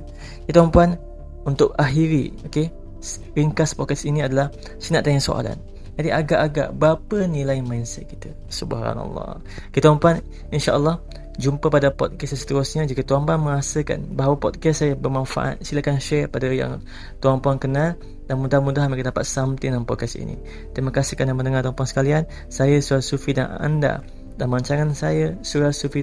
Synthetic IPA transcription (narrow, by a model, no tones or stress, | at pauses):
kit̪uwampuan | unt̪ʊkaɦiɾḭoke | ɾiŋkaspɔkɛsiniadalah | sinaʔt̪aŋəŋso̰ʔa̰la̰n | d͡ʒadiaɡaʔaɡa̰ʔbəapənilajmainsɛ̰t̪̚ki̥t̪a | subɦɾa̰na̰lːɑ̰ | okit̪awampuan | inʃaʔəlːɑh | d͡ʒumpəpadapɔ̰d̪̚kɛssə̥t̪əɾʊsɲad͡ʒikat̪uampuanməŋasəka̰nbaɦawapɔd̚kɛssajəbəmanfa̰ʔa̰t̪̚silakanʃɛpadaja̰ŋ | t̪uaŋpuaŋkənal | danmudaamudaɦmakədapat̪̚samt̪inampɔd̚kɛstḭnḭ | t̪ɾimakasihkanamənəŋat̪uampuaŋsə̥kalian | sajəsuɾasufida̰na̰nda̰ | danməaɲt͡ʃaŋansajəsuɾasufi